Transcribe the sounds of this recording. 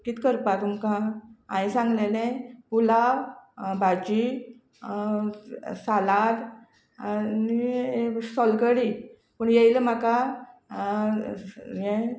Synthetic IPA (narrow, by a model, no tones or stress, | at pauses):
kiːt̪kəɾpat̪umkããjsãŋɡlelẽpula | bad͡ʑi | salaɾ | ni | sɔlkəɽi | pəɳjejləm̤aka | jɛ̃